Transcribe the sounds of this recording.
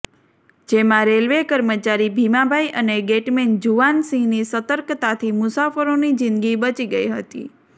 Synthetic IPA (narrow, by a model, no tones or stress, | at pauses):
d͡ʒemãɾelʋekəɾmət͡ʃaɾibʱimabʱaiʔəneɡeʈmend͡ʒuʋansĩŋnisət̪əɾkt̪at̪ʰimʊsafəɾonid͡ʒɪnd̪ɡibət͡ʃiɡəiɦət̪ḭ